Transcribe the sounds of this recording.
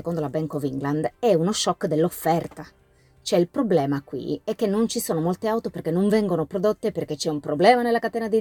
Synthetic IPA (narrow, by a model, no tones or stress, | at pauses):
ekond̪olabɛŋkoviŋɡland̪ɛunoʃːɔkːd̪elːofːɛrt̪a | t͡ʃoɛilpɾoblɛːmakwḭɛkːenːont͡ʃisoːnomolt̪eawt̪operkenːoɱvɛŋɡonopɾod̪ot̪ːeperk̟et͡ʃːɛumpɾoblɛːmanelakat̪ɛːnad̪i